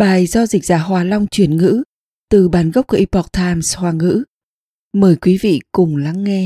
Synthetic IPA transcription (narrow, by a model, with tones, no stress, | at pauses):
ɓaː˨˩jzɔ˧zi˨˩k̚z̥aː˧˩ɦwaː˨˩la˧wŋ͡mt͡ɕwi˧˩ənŋɨ̰˧˥ | t̪ɨ˨˩ɓaː˨˩nɣə˦˥k͡p̚kːʔi˧˩pɔ˨˩k̚t̪ʰaː˧mshwaː˨˩ŋɨ̰˧˥ | məː˨˩jkwi˨˦vḭ˧˨kʊ˨˩ŋ͡mla˨˦ŋːɛ˧